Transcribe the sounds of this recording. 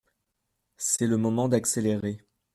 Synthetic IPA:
sɛləmɔmɑ̃d̪akseleʁe

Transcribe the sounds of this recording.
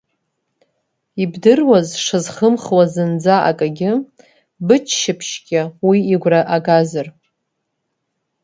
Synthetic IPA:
ibdɨrwazʂɨzχəmχwazɨnd͡zaʔa̰kʼaɡʲɪ | bɨt͡ʃʰʃɪpʰʃkʲʼawiːɡʷraʔaɡazɨr

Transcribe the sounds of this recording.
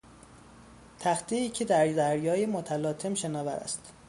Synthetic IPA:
t̪ʰæxt̪ʰeiːcʰe̞d̪æɾd̪æɾjɒːjemot̪ʰælɒːt̪ʰe̞mʃe̞nɒːvæɾæ̰st̪

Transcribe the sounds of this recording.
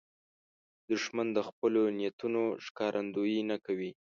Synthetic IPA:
d̪ʊʃmand̪əxpəlonijat̪unoʂkɑɾʔand̪ojinakawi

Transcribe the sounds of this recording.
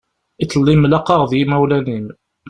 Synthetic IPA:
it͡sːəlːimlɑqːɑʁðjimæwlænim

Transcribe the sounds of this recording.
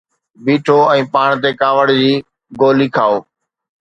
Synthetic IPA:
biːʈʰoːɛ̃ːpaːɽ̃t̪̬ekaːʋəɽd͡ʑiː | ɡoːliːkʰaːoː

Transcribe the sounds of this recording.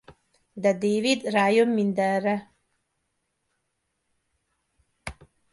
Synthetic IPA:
d̪ɛd̪eːvid̪ɾaːjomːind̪ɛrɛ

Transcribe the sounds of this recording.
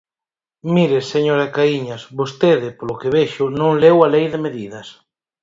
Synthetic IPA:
miɾeseɲoɾakaiɲasβost̪eðɪpolʊkeβeʃʊnõŋlewalejðemeðiðɐs

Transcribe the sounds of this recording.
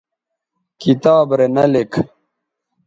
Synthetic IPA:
kit̪aːbɾenɐlek

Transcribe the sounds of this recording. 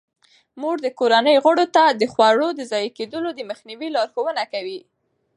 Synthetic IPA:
muɡd̪əkoɾanəjɣəɽot̪ad̪əxwaɽod̪əzɑjked̪əlod̪əməxniwilɑɾxowənakawi

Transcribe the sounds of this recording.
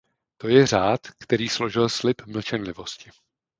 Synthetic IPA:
t̪o̞jɛr̝aːt̪kt̪ɛɾiːslo̞ʒɪlslɪpml̩t͡ʃɛnlɪvo̞scɪ

